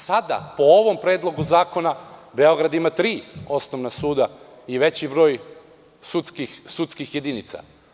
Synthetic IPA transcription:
sad̪a̰po̞oʋo̞mpɾe̞ːd̪lˠo̞ɡuzaːko̞nabe̞o̞ɡɾad̪imat̪ɾiːo̞snoʋnasuːd̪a | iʋe̞t͡ɕibɾo̞ːj | sut̪skixsut̪skixje̞d̪init̪sa̰

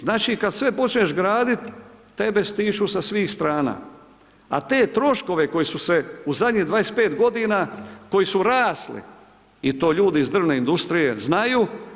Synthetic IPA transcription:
znaːt͡ʃikad̪sʋe̞po̞t͡ʃɲeʃɡɾaːd̪it̪ː | e̞be̞st̪iːʃusasʋiːxst̪ɾaːna̰ | a̰t̪e̞ːt̪ɾo̞ʃko̞ʋe̞ko̞jisuse̞uzad̪ʲɲid̪ʋaːespeːt̪ɡo̞d̪inako̞jisuɾaːslḭ | it̪o̞ːʎuːd̪izd̪r̩ʋneind̪ust̪ɾije̞znajuː

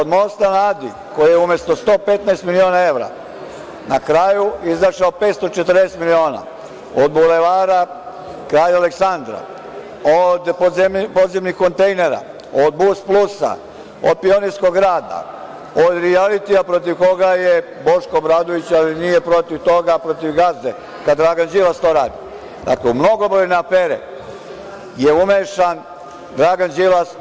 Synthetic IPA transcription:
od̪mo̞st̪anaːd̪ḭ | ko̞jijeumjest̪o̞st̪o̞ːpet̪naest̪milio̞ːnae̞ʋɾa̰ | nakɾajuizaʃaopet̪st̪o̞t͡ʃet̪ərd̪eːset̪milio̞ːna̰ | od̪buleʋaːɾa | kɾaːjaleksand̪ɾa̰ | od̪zepo̞d̪zemnixko̞nt̪ejne̞ɾa̰ | od̪̚busplusa̰ | o̰d̪̚pionisko̞ɡɾaːd̪a̰ | od̪ɾialit̪iapɾo̞t̪iʋko̞ɡaje | bo̞ʃkoːbɾaːd̪oʋit͡ɕalinijepɾo̞t̪iʋt̪o̞ɡapɾo̞t̪iʋɡazd̪e | kad̪d̪ːɾaɡand͡ʒilast̪o̞ːɾaːd̪i | d̪a̰kleumno̞ɡobɾojneafeːɾḛ | jeumeʃan | d̪ɾaɡand͡ʒilas

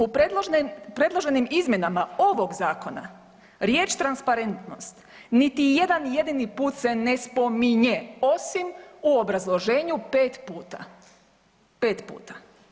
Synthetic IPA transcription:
upɾed̪lˠoʒnimpɾe̞d̪lˠoʒe̞nimizmje̞namao̞ʋo̞ɡzaːko̞na̰ | ɾje̞ːt͡ʃt̪ɾanspaɾe̞nt̪no̞st̪ | nit̪ije̞d̪anje̞d̪inipuːt̪se̞ne̞spo̞miɲeo̞simuo̞bɾazlˠo̞ʒe̞ːɲupeːt̪puːt̪a̰ | pe̞ːt̪pṵːt̪ḁ

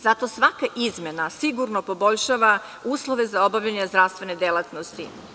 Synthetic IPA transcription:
z̥at̪o̞sʋakaʔizmenasiɡuɾnopo̞bo̞ʎʃaːʋa | uːslˠo̞ʋe̞zao̞baʋʎaɲezd̪ɾast̪ʋe̞ned̪elˠat̪nost̪ḭ

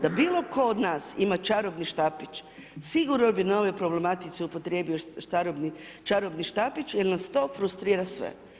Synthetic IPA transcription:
d̪abiːlˠo̞kʰo̞od̪naːsimat͡ʃaɾobniʃt̪apit͡ʃ | siɡuɾnobino̞ʋepɾo̞ble̞mat̪it̪seupot̪ɾe̞ːbioʃt̪aɾobni | t͡ʃaɾobniʃt̪apit͡ʃjeɾnast̪o̞ːfɾust̪ɾiːɾasʋḛ

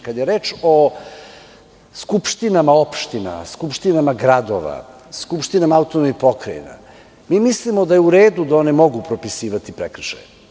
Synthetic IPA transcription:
kad̪jeɾeːt͡ʃo | skupʃt̪inamaopʃt̪ina̰skupʃt̪inamaɡɾad̪o̰ʋa̰ | skupʃt̪inamaaut̪onomipo̞kɾajḭna̰ | miːmislimod̪ajeuɾeːd̪ud̪aonɛmo̞ɡupɾopisiːʋat̪ipɾekr̩ʃa̰j

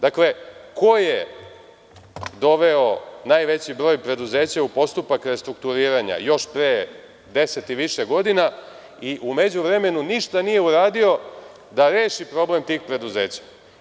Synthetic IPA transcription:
d̪akle̞ko̞je | d̪o̞ʋe̞o̞najʋe̞t͡ɕibɾo̞ːjpɾe̞d̪uze̞ːt͡ɕaupo̞st̪upakɾe̞st̪ɾuk̚t̪uɾiːɾaɲa̰jo̞ʃpɾe | d̪e̞se̞t̪iʋiʃeɡo̞d̪ina | iʔume̞d͡ʑuʋɾe̞me̞nuniʃt̪anije̞uɾaːd̪io̞ | d̪aɾeːʃipɾo̞ble̞mt̪iːxpɾe̞d̪uze̞ːt͡ɕḁ

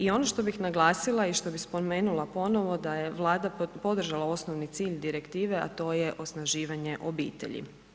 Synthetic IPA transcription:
io̞noʃt̪o̞bixnaɡlˠaːsilˠaiʃt̪o̞bispo̞me̞ːnulˠapo̞no̞ʋo̞d̪ajeʋlˠaːd̪apo̞d̪r̩ʒalˠao̞snoʋnit̪siːʎd̪iɾe̞kt̪iːʋea̰t̪o̞ːjeʔo̞snaʒiːʋaɲeʔobḭːt̪ḛʎḭ

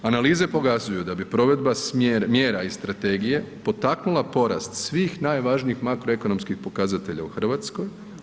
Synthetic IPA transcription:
analiːze̞po̞kazujud̪abipɾo̞ʋed̪basmeɾmje̞ːɾaist̪ɾat̪e̞ːɡije̞po̞t̪aknulˠapo̞ɾa̰st̪sʋiːxnaːjʋaʒniixmakɾo̞e̞ko̞no̞mskixpo̞kazat̪e̞ʎa̰uxr̩ʋat̪sko̞j

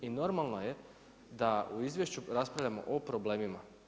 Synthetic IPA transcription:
ino̞ɾmalˠnoje̞ | d̪auizʋje̞ʃt͡ɕuɾaspɾaʋlʎamo̞̰ʔopɾobleːmima

